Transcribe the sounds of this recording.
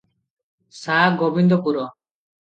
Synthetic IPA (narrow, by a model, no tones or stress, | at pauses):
saɡɔbind̪ɔpuɾɔ